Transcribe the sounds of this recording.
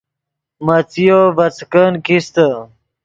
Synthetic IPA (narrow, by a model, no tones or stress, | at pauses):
mɐt͡sijoʋɐt͡skənkʰist̪ə